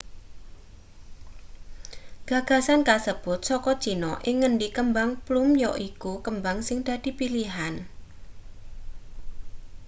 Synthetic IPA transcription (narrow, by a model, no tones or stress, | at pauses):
ɡ̥ä̤ɡ̥a̤sankasəb̥ʊt̪̚sɔkɔd̥ʒ̥i̤nɔʔɪŋːənɖikəmbaŋplumjɔʔikukəmbaŋsɪŋd̪̥ä̤d̪̥i̤piliɦan